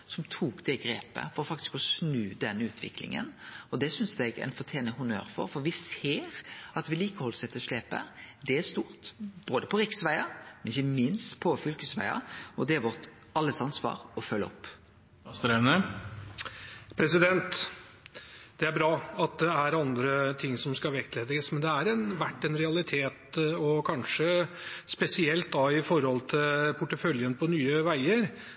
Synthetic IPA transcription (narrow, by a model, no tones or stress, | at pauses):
sɔmt̪ʰuːkd̪ɛɡɾeːpə̰fɔɾʁɔfɑkt̪ɪ̥skɔsnʉːd̪ɛnːʉːt̪ʰʋɪ̰klɪ̰ŋə̰nɔd̪ɛsʏnsd̪ɛɡæ̰ɪnfɔʁt̪ʰjeːnəɦʊnø̰ːɾfɔ̰ɾfɔʋɪseːʁɑt̪ʋɪliːkəhɔlːsɛt̪ʰːəʂleːpə̰d̪ɛæst̪uːʁt̪b̥oːd̪əpʰɔɾɪksʋæɪɑmɛnɪçːəmɪnst̪pʰɔfʏlkəsʋæ̰ɪɑ̰ɔd̪ɛæʋɔʁt̪ | ɑlːəsɑnsʋɑ̰ːʁɔfœlːəɔpː | st̪əɾɛnə | pʰɾɛsɪd̪ɛnt̪ | d̪ɛæɾbɾɑːɑt̪̚d̪ɛæɾɑnd̪ɾət̪ʰɪŋːsɔmskɑʋɛkt̪leːd̪ɪɡəsmɛnd̪ɛæɾɛnʋæʈːɛnɾɛɑlɪt̪ʰeːt̪ɔkʰɑnʂə | spɛsɪɛlt̪̚d̪ɑɪfɔɾhɔlt̪ʰɪlpʰʊʈːəfœljənpʰɔnyːəʋæɪəɾ